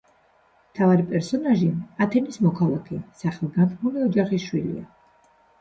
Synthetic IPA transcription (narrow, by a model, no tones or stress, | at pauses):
mt̪ʰavaɾipʼɛɾsɔnaʒiat̪ʰɛnismɔkʰalˠakʰɛsaχɛlˠɡant̪ʰnuliɔd͡ʒaχisʃwilḭa̰